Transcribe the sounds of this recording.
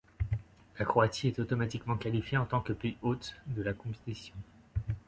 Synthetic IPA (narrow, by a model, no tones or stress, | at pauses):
lakχɔasiɛt̪ot̪ɔmat̪ikmɑ̃kalifjeɑ̃t̪ɑ̃kəpiot̪d̪əlakɔ̃t̪isjɔ̃